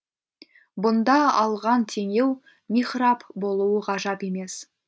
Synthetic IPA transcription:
bʊnd̪ɑɑlˠʁɑnt̪ʰe̞ŋe̞w | miχrɑpbo̞lˠuwəʁɑʒɑpe̞me̞s

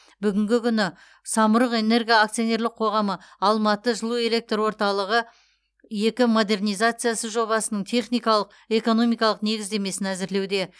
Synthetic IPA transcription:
bʏɡʲɪŋɡʲɪkʲʏnɪ | sɑmʊɾəqe̞ne̞rɡʲijaːkt̪ijo̞ne̞ɾlɪq̚qʰo̞ʁɑməɑlˠmɑt̪əʒəlˠue̞le̞k̚t̪rwo̞ɾt̪ɑlˠəʁə | je̞kʲɪmo̞d̪e̞rnijzat̪sɨjasəʒo̞βɑsənəɴt̪ʰe̞χnijkɑlˠəq | e̞ko̞no̞mijkɑlˠəqne̞ɡʲɪzd̪e̞me̞sɪnæzɪɾle̞wd̪e̞

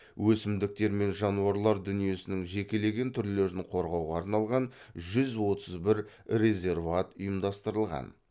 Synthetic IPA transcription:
wʔɵsɪmd̪ɪk̚t̪e̞ɾme̞nʒɑnuɑɾlˠɑɾd̪ʏnije̞sɪnɪŋʒe̞kʲe̞le̞ɡʲe̞nt̪ʰʏɾle̞ɾɪɴqʰo̞ɾʁɑwʁɑːɾnɑlˠʁɑnʒʏzwo̞t̪əzbɪɾ | re̞zʲe̞rvat̪ʊjəmd̪ɑst̪əɾəlˠʁɑ̰n

